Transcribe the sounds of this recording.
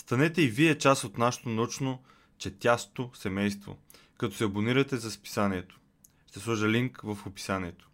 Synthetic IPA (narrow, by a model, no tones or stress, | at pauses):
st̪ɐnɛt̪ɛiviɛt͡ʃasot̪naʃɛ̥t̪onɐut͡ʃno | t͡ʃɛt̪ʲjast̪osɛmɛjst̪vo̰ | kɐt̪ɔsɛɐboniɾət̪ɛzɐspi̥saniɛt̪o̥ | ʃt̪ɛslˠɔʒɐliŋkvɐfopi̥saniɛt̪o̥